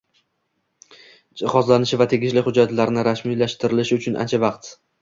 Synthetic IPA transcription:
d͡ʒɪχɒzlanɪʃɪvat̪ʰe̞ɡʲɪʃlɪχʊd͡ʒat̪laɾnɪɾasmilaʃt̪ɪɾɪlɪʃɪʊt͡ʃʰʊnʔa̰nt͡ʃʰavɑqt̪

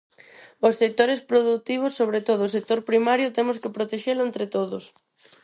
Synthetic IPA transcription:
ossek̚t̪oɾespɾoðut̪iβ̞ʊsːoβɾet̪oðʊsek̚t̪oɾpɾimaɾjʊt̪emʊskɪpɾot̪eʃelʊent̪ɾet̪oðʊs

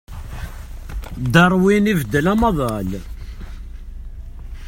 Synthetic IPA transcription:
d̪ɑɾˤwinivd̪ːəlæmɑðˤɑl

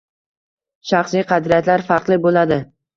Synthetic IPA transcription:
ʃɑχsijqʰɑd̪ɾijat̪laɾfɑɾqlˠɪbolad̪ɪ

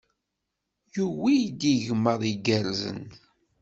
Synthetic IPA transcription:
juwijd̪iʝməðˤiɡəɾzə̰n

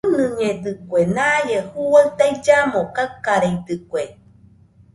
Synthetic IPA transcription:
nɨɲed̪ɨkʷenajehuwaɯt̪ajd͡ʒamokakːaɾeid̪ɨkwe

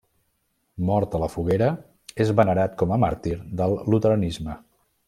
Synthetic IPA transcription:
mɔɾt̪ələfuɣeɾə | ezβənəɾat̪kɔməmaɾt̪iɾðəlˠːut̪əɾənizmə

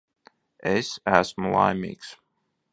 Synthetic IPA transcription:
ʔɛsæsməlˠa̰ɪmḭks

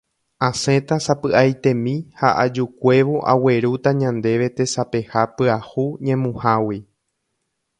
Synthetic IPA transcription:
ãsẽ̞t̪asapɨajt̪ẽ̞mĩhaʔad͡ʒukʷe̞ʋoʔa̰we̞ɾut̪aɲãnd̪e̞ʋe̞t̪e̞sape̞hapɨahuɲẽ̞mũhawi

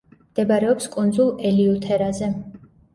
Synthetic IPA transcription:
md̪̥ɛbaɾɛɔpskʼund̪zulˠɛliut̪ʰɛɾazɛ

